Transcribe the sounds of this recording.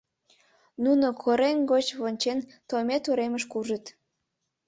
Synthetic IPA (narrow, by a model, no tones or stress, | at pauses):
nunokʰoɾenɡot͡ɕβonʲt͡ɕent̪ojmet̪uɾeməʃkuʒət̪